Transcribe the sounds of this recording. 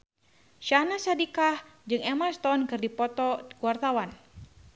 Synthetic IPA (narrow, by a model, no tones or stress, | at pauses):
ʃanasadikahd͡ʒɨŋɛmast̪ɔnkɨrdipɔt̪ɔkuwart̪awan